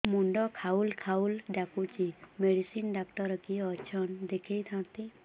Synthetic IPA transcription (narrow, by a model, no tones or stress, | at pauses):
muɳɖɔkʰaulkʰaulɖakut͡ʃimeɖisinɖak̚ʈɔɾɔkiɔt͡ʃʰɔnd̪ekʰejt̪ʰãt̪i